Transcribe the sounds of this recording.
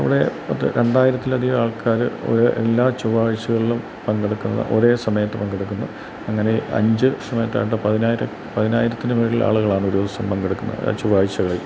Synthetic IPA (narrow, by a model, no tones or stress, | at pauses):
ɐ̰ʋiɽe̞ɐðɨ̰ɾeɳɖaːjiɾɐt̪ːilɐðijaːɭkʰaːɾɨo̞̰ɾuʔe̞̰lːaːt͡ɕuʋaːɻt͡ɕːɐɣɐɭilum | pɐŋɡeɽukːunːɐðɨ̰ʔo̞̰ɾe̞ːsɐmɐjɐt̪ːɨpɐŋɡeɽuk̬ːunːɐ | ɐŋːɐne̞ɐ̰ɲd͡ʑɨsɐmɐjɐt̪ːa̰ːjʈ̬ːɨpɐðinaːjiɾɐ | pɐðinaːjiɾɐt̪ːinɨʋeːɭilʔa̰ːɭuɣɐɭaːɳɨuɾoːd̪ɐsɐmpɐŋɡeɽukːunːɐ̰t͡ɕuʋaːɻit͡ɕːɐɣɐɭe